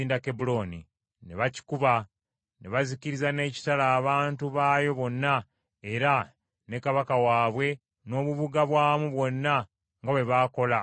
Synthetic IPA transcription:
iːndake̞bulo̞ni | ne̞βaci̥kuβa | ne̞βaziciɾizane̞ːci̥talaːβaːntuβaːjo̞βo̞nːa | e̞ɾa | ne̞kaβakawaːβwe̞ | no̞ːβuβuɡaβwaːmuβwo̞nːa | ŋɡaβwe̞βaːko̞la

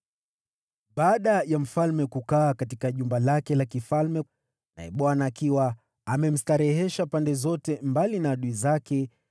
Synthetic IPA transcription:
ɓaːɗajam̩falmɛkukaːkatikaʄumbalakɛlakifalmɛ | na̰ɛɓwanaːkiwa | amɛm̩staɾɛɦɛʃapandɛzɔtɛmbalinaɗuizakɛ

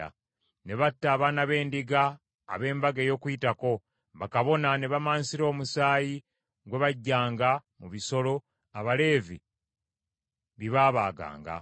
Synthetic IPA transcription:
a̰ | ne̞βatːaːβanaβe̞ːndiɡa̰ː | βe̞ːmbaɡejo̞kujitako̞ | βakaβo̞nane̞βamaːnsiɾo̞ːmusaːji | ɡwe̞βaɟːaːŋɡamuβiso̞lo̞ | aβale̞ːvḭ | βiβaːβaːɡa̰ːŋɡa̰

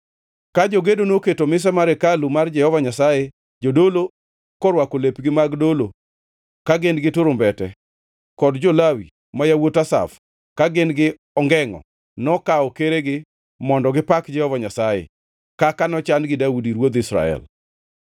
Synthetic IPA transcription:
kad͡ʒoɡedonoketomɪs̬ɛmaɾɛkalumard͡ʒɛhɔvaɲasaje | d͡ʒodolo | kɔɾwakolepɡɪmaɡdolo | kaɡɪnɡɪtuɾombɛtɛ | kɔdd͡ʒolawḭ | majawotasa̰f | kaɡɪnɡɪ | ɔŋɡɛŋɔ̰ | nɔkaɔkeɾeɡɪ | mɔndɔɡɪpakd͡ʒɛhɔvaɲasajḛ | kakanɔt͡ʃanɡɪdaudiɾwod̪ɪsɾa̰ɛ̰l

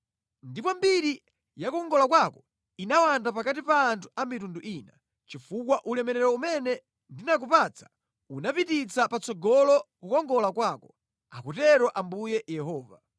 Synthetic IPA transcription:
ndipɔmbiɾi | jakɔŋɡɔlakwakɔ | inawandapakatipaːntʰu̥amitunduʔiːna | t͡ʃifukwaʔulɛmɛɾɛɾɔumɛnɛ | ndinak̬upat͡sʰḁ | unapitit͡sʰapat͡sɔɡɔlɔkukɔŋɡɔlakwaːkɔ | akutɛɾɔʔambujɛjɛɦɔːva̰

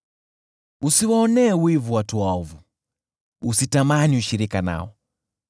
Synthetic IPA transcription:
usiwaɔnɛːwivuwatuwaɔvu | usitamaniuʃiɾikana̰ɔ

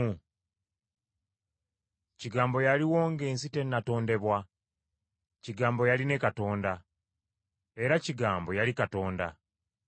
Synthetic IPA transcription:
ciɡaːmbo̞jaliwo̞ːŋɡe̞ːnsite̞nːato̞ːnde̞βwa | ciɡaːmbo̞jaline̞kato̞ːnda | e̞ɾaciɡaːmbo̞jalikato̞ːnda

